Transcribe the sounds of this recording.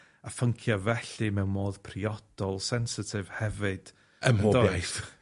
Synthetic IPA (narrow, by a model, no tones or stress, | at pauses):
afəŋkʰjavɛɬɨmɛwnmoːð̥pʰriɔd̥ɔlˠsɛnsɪtʰɪv̥hɛvɨd̥ | əəɔdɔajθ